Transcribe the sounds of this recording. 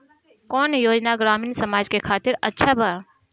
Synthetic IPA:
kɔːnjoːd͡ʒnaɡɾaːmiːnsɐmaːd͡ʒkekʰaːt̪ɪɾɐtːʃʰabəa

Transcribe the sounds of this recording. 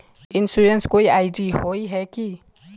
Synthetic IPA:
ɪ̃nsuɾenskoːiaɪɖiɦoiɦɛki

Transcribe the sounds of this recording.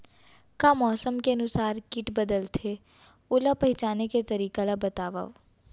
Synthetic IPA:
kamɔːsəmkeənʊsaːɾkɪʈbɐd̪əlt̪ʰe | ʊlapɐɦɪt͡ʃaːneket̪ɐɾiːkalabɐt̪aːʋə̰ʋ

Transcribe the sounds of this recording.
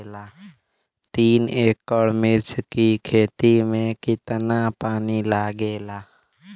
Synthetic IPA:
laː | t̪iːneːkːəɽmɪɾt͡ʃkikʰeːt̪imẽkɪt̪napaːnilaːɡeːlaː

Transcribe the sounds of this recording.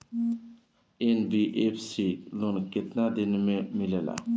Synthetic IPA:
enbiʔefsilunket̪nad̪enɪmemilela̰

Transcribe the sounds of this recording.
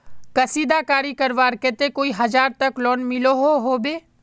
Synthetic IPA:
kɐsiːd̪akaːɾikɐɾʋaːɾket̪ekoːiɦɐd͡ʒaːɾt̪ɐklɔːnmɪloɦoɦoːbeː

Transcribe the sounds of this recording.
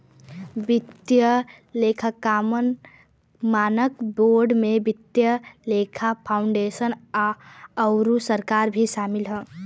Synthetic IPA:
bit̪jə | lekʰakamən | manəkboɾɖmebit̪jəlekʰapʰaʊɳɖesənaəʊɾusəɾkaɾbʱisamilɦə

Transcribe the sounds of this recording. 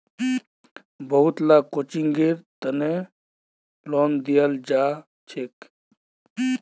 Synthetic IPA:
bəɦut̪lakot͡ʃiŋɡeɾt̪əne | lɔːnd̪ijald͡ʒaː | t͡ʃʰek

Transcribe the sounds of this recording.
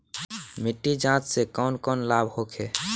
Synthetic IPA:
miʈːid͡ʒãt͡ʃsekɔnkɔnlabhokʰe

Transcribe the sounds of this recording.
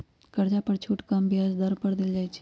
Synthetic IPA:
kɐɾd͡ʒapəɾt͡ʃʰuːʈkambjazd̪əɾpəɽd̪ɪld͡ʒaːjt͡ʃʰi̥

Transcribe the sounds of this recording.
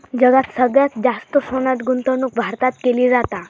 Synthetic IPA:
d͡ʒəɡat̪səɡjat͡sd͡ʒast̪əsonat̪ɡunt̪ənuk̚bʱaɾt̪at̪keliɾat̪a

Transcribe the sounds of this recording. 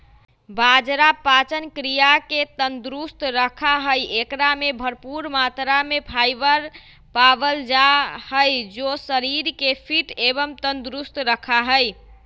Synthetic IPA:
bad͡ʒɾapat͡ʃənkɾijaket̪ənd̪ɾust̪ɾəkʰaɦəjekɾamebʱəɾpuɾmat̪ɾamepʰajbəɾ | pabəld͡ʒahəjd͡ʒosəɾiɾkepʰiʈebəmt̪ənd̪ɾust̪ɾəkʰaɦəj

